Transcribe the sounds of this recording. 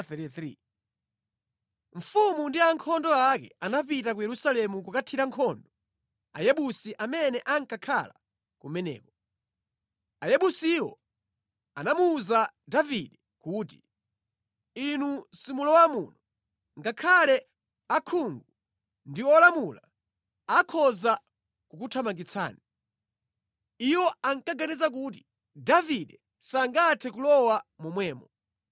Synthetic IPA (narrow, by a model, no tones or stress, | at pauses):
ɾiθɾḭ | ɱ̩fumundiaŋkʰɔndɔakɛ̰anapitak̬ujɛɾusalɛmukukatʰiɾaŋkʰɔndɔ | a̰jɛɓusiʔamɛnɛʔaŋkakʰa̰la | kumɛnɛ̰ːkɔ | ajɛɓusiwɔ̰ | anamuːzadaviɗɛ | kuːt̬i | inusimulɔwamunɔ | ŋɡakʰalɛ | akʰuŋɡu | ndiɔlamula | akʰɔza | kukutʰamaŋɡit͡sʰa̰ːni | iwɔaŋkaɡanizak̬ut̬i̥ | daviɗɛ | saŋɡatʰɛkulɔwamumwɛːmɔ